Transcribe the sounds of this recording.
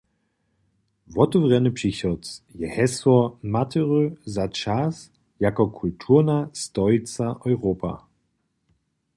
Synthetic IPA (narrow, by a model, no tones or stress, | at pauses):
vɔtɔvʁɛnɨpʂiçɔt͡sjɛhɛsɔmatʰəʁøzat͡ʃas | jakɔkʰultʰuʁnastɔit͡saʔɔʏʁopa̰